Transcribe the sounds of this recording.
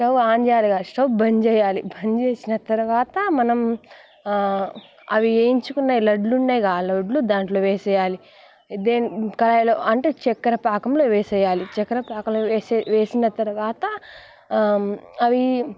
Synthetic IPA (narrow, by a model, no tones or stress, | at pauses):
ʂɐwaːɲd͡ʒaːluɡaːsɐwbɐɲd͡ʒɛːjaːlibʱɐɲd͡ʒeːsinɐt̪ɐɾuʋaːt̪ɐmɐnɐm | ɐʋieːiɲt͡ʃukunːaːjilɐɖlunːɐːjɡaːlɐɖlud̪aːɳʈlo̞ːʋeːsɛjaːli | d̪eːnkɐlɐjɐloːʔɐɳʈeːt͡ʃɛkːɐɾɐpaːkɐmloːʋeːsɛjːaːlit͡ʃɛkːɐɾɐpaːkɐmloʋeːsinɐt̪ɐɾuʋaːt̪ɐ | ɐʋi